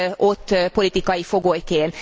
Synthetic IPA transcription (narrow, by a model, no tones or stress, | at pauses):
ʔot̪ːpolit̪ikɑifoɡojkeːn